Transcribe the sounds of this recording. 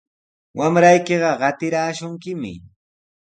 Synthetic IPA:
wamɾajkeɢɑɢɑt̪ɪɾaːʃʊŋkɪmɪ̰

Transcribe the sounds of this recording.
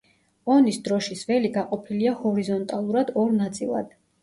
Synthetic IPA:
ɔnisd̪ɾɔʃisvɛliɡaqʼɔpʰiliahɔɾizɔnt̪ʼalˠuɾad̪ɔɾnat̪sʼilˠa̰d̪̥

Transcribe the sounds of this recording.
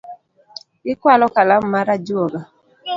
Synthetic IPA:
ɡɪkwalɔkalammaɾad͡ʒoɡa

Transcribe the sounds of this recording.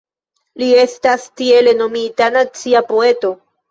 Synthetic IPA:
lie̞stastie̞le̞no̞mitanat͡siapo̞e̞to̞

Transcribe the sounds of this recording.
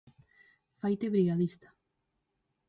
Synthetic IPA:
fajt̪eβɾiɣaðist̪ḁ

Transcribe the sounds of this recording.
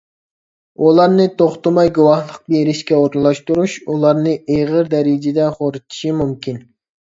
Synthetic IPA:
ulˠɑɾnɨt̪ʰoχt̪ɑmɑjɡuwɑχlˠəq̚beɾɪʃkʲɛoɾnlˠɑʃt̪uɾuʃulˠɑɾnɨʔeʁəɾd̪ɛɾɪd͡ʒɪd̪ɛχoɾut̪ʰi̥ʃimumkʲʰin

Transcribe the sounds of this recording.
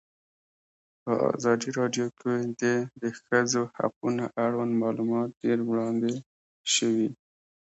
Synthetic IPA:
pəʔɑ̰zɑd̪iɾɑɖjokʰed̪ed̪əxəzoha̰qunaʔaɽwanmɑlumɑt̪ːeɾwɽɑnd̪e | ʃəwi

